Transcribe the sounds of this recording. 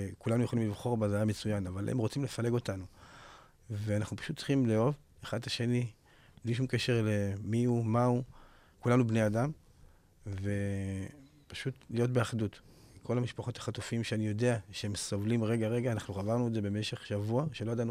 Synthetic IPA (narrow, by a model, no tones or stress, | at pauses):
kulanujeχolimlivχo̞ʁbazajame̞t͡sujanavalʔḛmʁot͡simle̞fale̞ɡo̞tanu | veanaχnupḁʃutːt͡sχimleo̞v | eχad̪laʃe̞ni | bliʃ̬umke̞ʃeʁle̞miumau | kulanubneadam | ve̞ | pḁʃutlijo̞tbeaχdutkʰo̞lamiʃpaχo̞tḁχatufiimʃeanijo̞de̞aʃeemsovlimʁe̞ɡaʁe̞ɡaːnaχnuχavaʁnuedzebe̞me̞ʃe̞χʃavuaʃeloadanu